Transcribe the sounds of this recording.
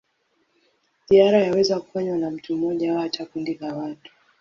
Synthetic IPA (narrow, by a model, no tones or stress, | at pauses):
ziaɾajawɛzaku̥faɲwanam̩tum̩ɔʄaawat͡ʃakundilawatu̥